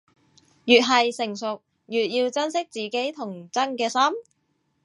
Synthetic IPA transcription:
jyː˨t̚ɦɐ˨jsɪ˨˩ŋsʊ˨k̚ | jyː˨t̚jiː˧wt͡sɐ˥nsɪ˥k̚t͡siː˨˩ke˨˥jt̪ʰʊ˨˩ŋt͡sɐ˥nkɛː˧sɐ˥m

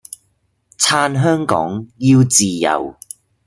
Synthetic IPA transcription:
t͡sʰaː˧nɦœː˥ŋkɔ̰ː˨˥ŋjiː˧wt͡siː˨jɐ̰˨˩w

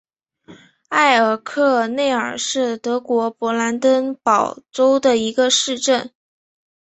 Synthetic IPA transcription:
a˥˩ɪə˞˨˩kʰɤ˥˧ne˥˩ɪə˞˨˩ʂɻ̩˥˩t̪ɤ˧˥kwɔ˧˥pwɔ˧˥la˧˥nt̪ə˥npɑ˨˩ʊʈ͡ʂo˥ʊd̪ə˨i˧˥ɡə˧ʂɻ̩˥˧ʈ͡ʂə˥˩n

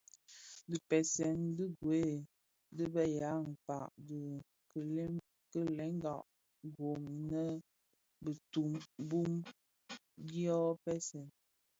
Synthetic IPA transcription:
də˨pɛ˨sɛ˨ndə˦ɡwe˦ | dɨ˦bə˦ja˨˦ŋ̩˨pa˨ʔdə˨ | kə˨l | kə˦lɛ˨˦ŋ˦ɡa˨ʔ | ɡo˨mi˨nə˦ | bə˨tu˨mbu˦m | ɡjɔ˦pɛ˦sɛ˨n

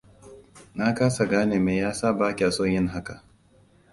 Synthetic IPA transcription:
na˦kaː˦sa˨ɡaː˦neː˨meː˨jaː˦saː˦˨baː˦kʲi˨ʔa˨so˦ɲjɪ˦ŋɦa˦ka˨ʔ

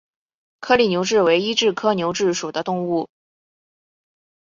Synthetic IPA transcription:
kʰɤ˥li˨˩njo˧˥ʊʈ͡ʂɻ̩˥˩we˧˥ɪi˥ʈ͡ʂɻ̩˥˩kʰɤ˥njo˧˥ʊʈ͡ʂɻ̩˥˩ʂu˨˩d̪ə˦t̪ʊ˥˧ŋu˥˩

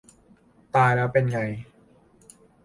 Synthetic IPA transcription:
t̪aː˧jlɛː˦˥wpe˧nŋa˧j

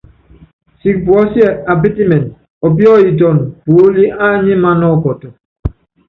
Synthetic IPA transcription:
si˨k̚pwɔ˦sjɛ˦˨a˨bi˦ti˦mɛ˨nt | ɔ˨bjɔ˦i˨tɔ˨npo˨˦li˦ʔa˦ɲi˦ma˦nɔ˦˨kɔ˨tɔ˨

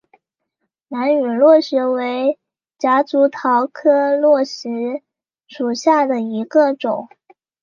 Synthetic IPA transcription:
na˧˥ny˨˩lwɔ˥˩ʂɻ̩˧˥we˧˥ɪ | t͡ɕja˧˥t͡su˧˥t̪ʰɑ˧˥ʊkʰɤ˥lwɔ˥˩ʂɻ̩˧˥ | ʂu˨˩ɕja˥˩d̪ə˩i˧˥ɡə˧ʈ͡ʂʊ˨˩˦ŋ

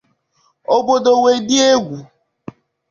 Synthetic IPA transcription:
o˦bo˦do˨we˨dɪ˦e˦ɡʷu˨

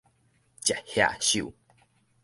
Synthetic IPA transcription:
t͡ɕa˨hja̰˧˨ɕṵ˥˨

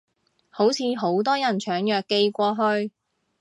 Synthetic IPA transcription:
ho˨˥wt͡sʰiː˨˧ɦo˨˥wt̪ɔː˥jɐ˨˩nt͡ʃʰœː˨˥ŋjœː˨kːe˧jkʷɔː˧ɦɵ˧ɥ

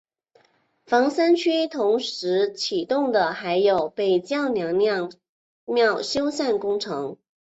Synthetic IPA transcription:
fɑ˧˥ŋsa˥nt͡ɕʰy˥t̪ʰʊ˧˥ŋʂɻ̩˧˥t͡ɕʰi˨˩t̪ʊ˥˩ŋd̪ə˩xa˧˥ɪjo˨˩ʊpe˥˨˩ɪt͡ɕjɑ˥˩ʊnjɑ˧˥ŋnjɑ˥˧ | mjɑ˥˩ʊɕjo˥ʊsa˥˩nkʊ˥ŋʈ͡ʂʰɤ˧˥ŋ

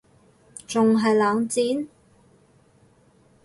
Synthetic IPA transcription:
t͡sʊ˨ŋɦɐ˨jlaː˨˧ŋt͡siː˨˥n

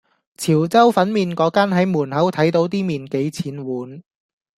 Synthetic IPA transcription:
t͡sʰiː˨˩wt͡sɐ˥wfɐ˨˥nmiː˨nkɔː˨˧˥kaː˥nɦɐ˨˥jmuː˨˩nhɐ˨˥wt̪ʰɐ˨˥jt̪o˨˧˥wt̪̬iː˥miː˨nke˨˥jt͡sʰiː˨˥nwuː˨˥n

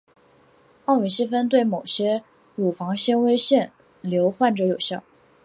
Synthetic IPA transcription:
ɑ˥˩ʊi˨˩ɕi˥fə˥nt̪̬we˥˩ɪmo˨˩ʊɕjɛ˥ | ɻu˨˩fɑ˧˥ŋɕjɛ˥nwe˥ɪɕjɛ˥˩n | ljo˧˥ʊxwa˥˩nʈ͡ʂɤ˧˥jo˨˩ʊɕjɑ˥˩ʊ

